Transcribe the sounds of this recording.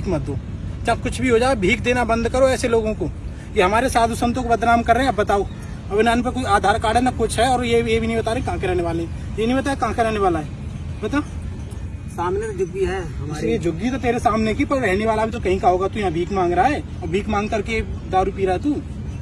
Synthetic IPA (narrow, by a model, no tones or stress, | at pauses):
ikmɐd̪ʱoːt͡ʃakʊt͡ʃʰbʱiɦod͡ʒaːebʱiːkd̪eːnabɐ̃nd̪kɐɾoɛːseloːɡõko | jeɦɐmaːɾesaːd̪ʱusə̃nt̪õːkbɐd̪ɾaːmkɐɾːɛɦɛ̃ɐbbɐt̪aːo | ɐbnənpɐɾkoːiaːd̪ʱaːɾkaːɽɦɛnakʊt͡ʃʰɦɛɔːɾjejebʱinɐɦĩbɐt̪aːɾẽkaɦãkeɾɛɦneʋaːleɛ̃ | jenɐɦĩbɐt̪aːjekãɦãkeɾɛɦneʋaːlaɦɛː | bɐt̪ao | saːmned͡ʒʊɡiɦɛɦɐʊed͡ʒʊɡːit̪ot̪eːɾesaːmnekipɐɾɾɛɦneʋaːlabʱit̪okɐɦĩkaɦoːɡat̪ujɐɦãbʱiːkmãːŋɡɾaaɦɛː | ɔɾbʱiːkmãːŋɡkɐɾked̪aːɾupiːɾaɦɛt̪uː